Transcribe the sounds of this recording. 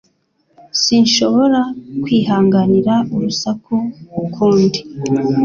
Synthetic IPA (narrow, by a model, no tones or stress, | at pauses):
siːnʃo̞βo̞ɾakwiːɦaːŋɡaniɾauɾusakuukʰuːndi